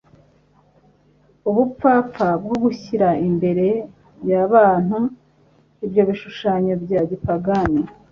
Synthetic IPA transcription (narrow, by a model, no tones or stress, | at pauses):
uβup͡faːp͡ffab̚ɡo̞ɡuçiɾaimbe̞ɾe̞ | jaβaːn̥u | ibjo̞βiʃuʃaːɲobɟaːɟipaɡani